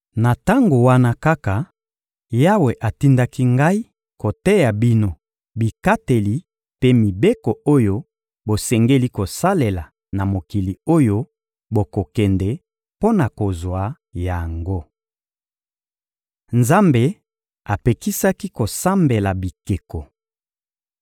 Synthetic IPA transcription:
na˨ta˦ŋɡo˨wa˦na˦ka˦ka˨ | ja˦we˨ʔa˨ti˦nda˦ki˦ŋɡa˦i˦ | ko˨tɛ˦ja˨bi˦no˨ | bi˨ka˦te˨li˨ | pe˦mi˨be˦ko˨o˦jo˦ | bo˨sɛ˨ŋɡe˦li˦ko˨sa˦le˨la˨ | na˨mo˨ki˨li˨o˦jo˦ | bo˨ko˨kɛ˨ndɛ˨ | po˦na˨ko˨zwa˨ | ja˨ŋɡo˦ | nza˦mbe˨ | a˨pe˨ki˦sa˦ki˦ko˨sa˦mbe˨la˨bi˨ke˨ko˨

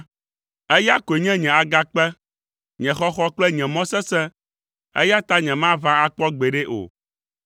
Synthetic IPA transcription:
ɛ˦ja˦ko˨e˨ɲɛ̃˦ɲɛ̃˨a˨ɡa˦k͡pɛ˦ | ɲɛ̃˨xɔ˦xɔ˦k͡plɛ˦ɲɛ̃˨mɔ̃˦sɛ˦sɛ̃˦ | ḛ˦ja˦t̪a˦ɲɛ̃˨mã˦vã˦a˦k͡pɔ˦ɡ͡bɛ˨ɖɛ˦ʔo̰˨

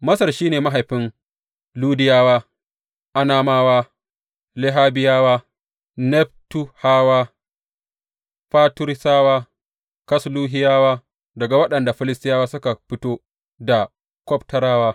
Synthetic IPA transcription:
mɐ˦sɐ˨rʃiː˦neː˨ma˦ɦa˨jɸɪ˦n | luː˦dɪ˦jaː˦waː˦ | ʔa˦naː˦maː˦waː˦ | lɪ˦ɦaː˦bɪ˦jaː˦waː˦ | nɛ˦b̚tu˦haː˦waː˦ | ɸaː˦tʊ˦ɾsaː˦waː˦ | kɐ˦sluː˦ɦɪ˦jaː˦waː˦ | dɐ˨ɡa˨wɐ˦ɗɐ˨nda˨ɸɪ˦lɪ˦stɪ˦jaː˦waː˦sʊ˦ka˨ɸɪ˦toː˦ | da˨ | kʷɔ˦ptɐ˦ɾaː˦waː˦

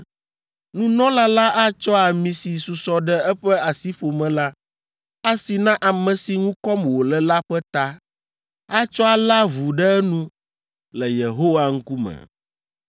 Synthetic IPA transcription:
nũ˦nɔ̃˦la˦la˦ʔa˦t͡ʃɔ˦a˨mĩ˨si˨su˨sɔ˨ɖɛ˦ɛ˦ɸɛ˦a˨si˦ɸo˨mɛ̃˨la˦ | a˦si˨nã˦ʔa˨mɛ̃˨si˨ŋũ˦kɔ˦mwo˨lɛ˨la˦ɸɛ˦t̪a˦ | a˦t͡ʃɔ˦a˨la˦vu˨ɖɛ˦nũ˦ | lɛ˨je˨ɦo˦wa˨ŋ̩˦ku˦mɛ̰̃˨

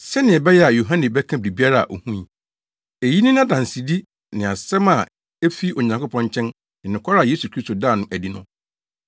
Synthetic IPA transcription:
sɛ˦nɪ̃˨ɛ˨bɛ˦jɛ˦a˨jo˨ɦã˦nɪ̃˨bɛ˦kʰã˦bɾi˨bi˦a˦ɾa˦a̰˨ʔo˨hũ˦ĩ˨ | e˨ji˦nɪ̃˦nã˦dã˨n˨si˨di˦ | nɪ̃˨a˨sɛ˦mã˨ | e˦fi˦ʔo˨ɲã˨ŋkʊ˦pʰɔ̃˦ɲ˦t͡ɕʰɛ̃˦n | ɪ̃˨nɪ̃˨kʰʷa˦ɾa˨je˦su˨kʰɾi˦sto˨daː˦˨nʊ̃˦ʔæ˨di˦nʊ̰̃˦

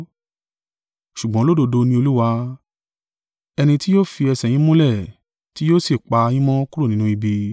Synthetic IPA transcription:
ʃu˨ɡ͡bɔ̃˨˦lo˦do˧do˧nĩ˧˦o˧lu˦wa˧ | ɛ˧nĩ˧ti˦jo˦fi˧ɛ˧sɛ˨j̃ĩ˦mũ˦lɛ˦˨ | ti˨˦joː˦si˦˨k͡pa˧ĩ˦mɔ̃˦ku˦ɾo˦˨nĩ˦nũ˦i˧bi˧

